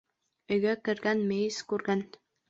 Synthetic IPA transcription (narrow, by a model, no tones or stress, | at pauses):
ɘ̆jɡækɘ̆ɾɡænmɘiskʉɾɡæn